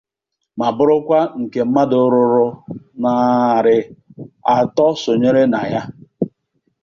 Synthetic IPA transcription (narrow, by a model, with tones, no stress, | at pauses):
ma˨bʊ˦ɾʊ˦kʷa˦ŋ̩˨ke˨m̩˦ma˦dʊ˨˦ɾʊ˨ɾʊ˦na˨ɾɪ˨a˨tɔ˦so˨ɲe˦ɾe˦na˨ja˦